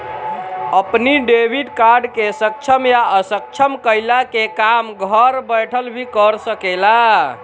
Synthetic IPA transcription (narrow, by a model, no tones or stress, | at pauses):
əpniɖebʱiɖkaɾɖkesək̚t͡ʃʰəmjaəsək̚t͡ʃʰəmkəjlakekamɡʱəɾbəjʈʰəlbʱikəɾsəkela